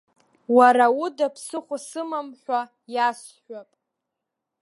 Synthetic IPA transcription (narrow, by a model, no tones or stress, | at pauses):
waɾaudapʰsɨχʷʊsɨmamħʷᶣa | jas | ħʷᶣapʼ